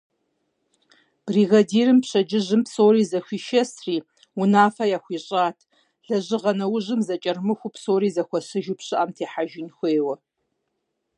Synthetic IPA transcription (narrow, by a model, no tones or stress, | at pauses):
b̥riːɣɐdiːrɨmpɕɐd͡ʒɪʑɨmpsoːɾiːzɐɕʷiːʃɐsriː | ʊnaːfɐjaːxʷiːɕʼaːtʰ | ɮ̥ɐʑɨʁɐnɐwʊʑɨmzɐt͡ʃʼɐrmɨxʷʊpsoːɾiːzɐxʷɐɕɨʒupɕɨʔaːmtʰeːħaʒɪnxʷeːwɐ